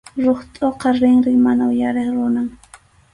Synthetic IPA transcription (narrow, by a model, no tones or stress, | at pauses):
ɾoχt̪ʼoqɑɾɪŋɾɪŋmanaʊjaɾeχɾʊnaŋ